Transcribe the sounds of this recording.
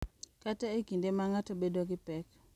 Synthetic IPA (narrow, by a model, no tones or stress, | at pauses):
kataekindemaŋatobedoɡɪpɛk